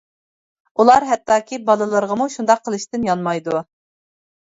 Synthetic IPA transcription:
ulˠɑɾɦɛt̪ːɑːkʲʰibɑlˠɨlˠəɾʁəmuʃund̪ɑqʰːəlˠɨʃt̪ɪnjɑnmɑjd̪u

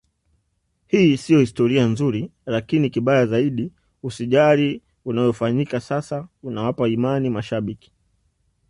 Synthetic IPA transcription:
hiːsiɔhistɔɾianzuɾilakinikiɓajazaiɗi | usiʄaɾi | unajɔfaɲikasasaunawapaimanimaʃaɓiki̥

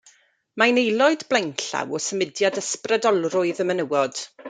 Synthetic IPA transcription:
manejlˠɔɨdblˠɛŋɬa̰wɔsəmɪdjadəsprədɔlˠrʊɨðəmənəwɔd̥

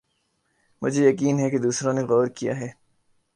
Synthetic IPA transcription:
mʊd͡ʒʱejɐkiːnɦɛked̪uːsɾõneɣɔːɾkija̰ɦɛː

